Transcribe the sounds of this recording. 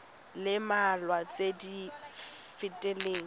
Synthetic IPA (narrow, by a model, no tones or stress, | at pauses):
lɪmalwat͡sʼedi | fɪtʼɛleːŋ̩